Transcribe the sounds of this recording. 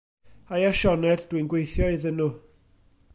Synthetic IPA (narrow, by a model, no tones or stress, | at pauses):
ajaʃɔnɛddwinɡwejθjɔɨðənu